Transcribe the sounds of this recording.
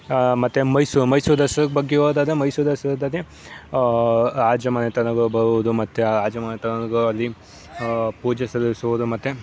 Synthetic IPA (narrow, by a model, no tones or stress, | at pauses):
mɐt̪ːemɐjsumɐjsud̪ɐsɐɾɐkbɐɡːeoːd̪aːd̪ɾemɐjsud̪ɐsɐɾɐd̪ɐd̪e | aːd͡ʒɐmɐnet̪ɐnɐɡɐbɐɾuʋɐd̪umɐt̪ːeaːd͡ʒɐmɐnɐt̪ɐnɐnɐɡɐɐlːi | puːd͡ʒɐsɐɾʋisuʋud̪umɐt̪ːe